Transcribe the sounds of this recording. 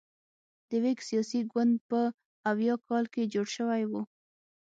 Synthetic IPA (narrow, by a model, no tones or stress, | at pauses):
d̪̥əweksijɑsiɡwand̪̚pə | awjɑkɑlked͡ʒoɽʃəwajwu